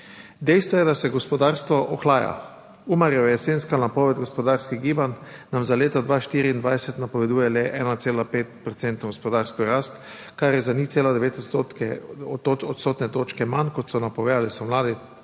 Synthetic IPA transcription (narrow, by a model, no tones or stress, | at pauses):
d̪ɛjst̪ʋɔjɛd̪asɛɡɔspɔd̪aːɾst̪ʋɔʔɔxlaːja̰ | umaɾjɛjɛsenskanapɔːʋɛd̪̚ɡɔspɔd̪aːɾskiɣɡiːbanːamzaleːt̪ɔd̪ʋaːʃt̪iːɾiːnd̪ʋajsɛt̪napɔʋɛd̪uːjɛlɛʔɛːnat̪seːlapeːt̪pɾɔt̪sɛnt̪nɔɡɔspɔd̪aːɾskɔɾaːst̪ | kaɾjɛzanit̪seːlad̪ɛʋeːt̪ɔt̪sot̪kɛoɔt̪soːt̪nɛt̪oːt͡ʃkɛmankɔt̪sɔnapɔɡɛjalisɔmlaːd̪i